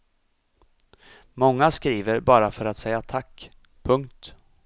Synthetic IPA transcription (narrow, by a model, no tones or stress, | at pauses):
mɔŋːaskɾiːvəɾbɑːɾafœɾat̪sɛjat̪ʰakː | pʰɵŋkt̪